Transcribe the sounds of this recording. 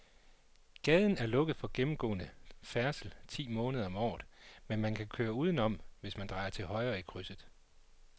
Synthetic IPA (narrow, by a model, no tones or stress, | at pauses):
ɡ̥ɛːð̞ˠn̩æɐlɔ̽ɡ̥əð̞̩ˠfɒ̽ɡ̥emm̩ɡ̥ɔ̰ːnəfæɐsl̩t͡sʰḭːmɔ̽ːnəð̞ˠɐɒ̽mɒ̰ːð̩ˠmenmænkʰækʰøːɐuːð̞ˠn̩ɒ̽m̰ʋe̝smænd̥ʁɑ̈ɪɐt͡sʰe̝lɦɒ̽ɪɐːikʰʁysð̩ˠ